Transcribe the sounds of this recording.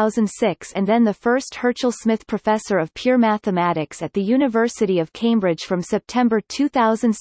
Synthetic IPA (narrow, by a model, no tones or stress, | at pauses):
ʊzɨ̃nd̥sɪksɨ̃nðɨ̃nðɨfɜ˞st̚hɜ˞t͡ʃl̩ˠsmɪθpʰɹ̥ɨfɛsə˞ʌv̥pʰj̥ʊɹmæθɨmæɾɨksɨt̪̚ðɨjʉnɨvɜ˞sɨɾiʌv̥kʰẽɪ̃mbɹɪd̥ʒ̥fɹʌ̃msɛp̚tʰɛ̃mbə˞tʰʉθaʊzɨ̃n̩d̥